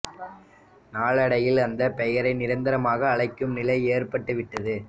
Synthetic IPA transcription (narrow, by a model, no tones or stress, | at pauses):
naːɭɐɽɐjɪlɐnd̪ɐpɛjɐɾɐɪnɪɾɐnd̪ɐɾɐmaːɣɐːɭɐɪkːɯmnɪlɐɪeːrpɐʈːɯʋɪʈːɐðɯ